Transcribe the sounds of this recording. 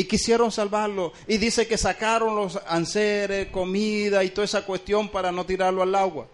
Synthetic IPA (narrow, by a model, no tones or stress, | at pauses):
ikisje̞ɾo̞nsalβaɾlo | iðiseke̞sakaɾo̞nlo̞sanseɾesko̞miðait̪oðesakwe̞st̪jo̞mpaɾano̞t̪iɾaɾloalaɣwa̰